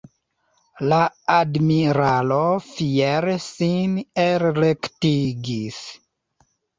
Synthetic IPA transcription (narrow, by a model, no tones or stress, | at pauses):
laadmiɾalo̞fieɾsineɾlektiɡis